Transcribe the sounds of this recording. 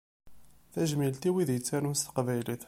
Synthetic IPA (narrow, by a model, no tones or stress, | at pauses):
θæʒmilt̪iwiðjət͡sːæɾunst̪qvæjliθ